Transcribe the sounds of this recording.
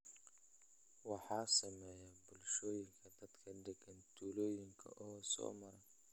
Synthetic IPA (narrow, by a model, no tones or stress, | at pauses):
wɑħɑːsɐmɛjɐbʊlʃoːjɪŋkʰɐd̪ɐd̪kʰɐd̪ɛɡɐnt̪ʰuloːjɪŋkʰɐ̰ʔɔsɔ̰ːmɐɾɐ